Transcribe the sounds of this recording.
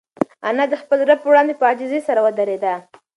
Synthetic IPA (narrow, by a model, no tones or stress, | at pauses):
anad̪əxpəlɾab̚pəwɽɑnd̪epəɑd͡ʒɪzesaɾawəd̪aɾed̪a